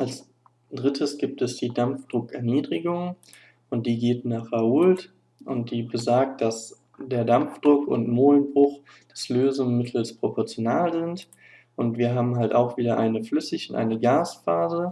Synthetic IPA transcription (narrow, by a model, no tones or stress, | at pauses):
ʔals | d̥ʁɪtʰəsɡ̥iːp̚tɛsd̥iːdamfd̥ʁʊkɛɐniːdʁɪɡʊŋ | ʊnt̚d̥iːɡeːtɪnaχauːlt | ʔʊnt̚d̥iːbəzaɐk̚t̚d̥as | d̥eːɐdamfd̥ʁʊkʊ̰ntmoːlnbʁʊχ | d̥ɛsløːzʊŋmɪtʰl̩spʁ̥opʰɔɐt͡sjonaːlzɪnt | ʔʊntv̥iːɐɦaːbm̩ɦaltaʊxv̥iːdɐʔaɪnəflʏsɪçʊntʔa̰ɪnəɡaːsfaːzə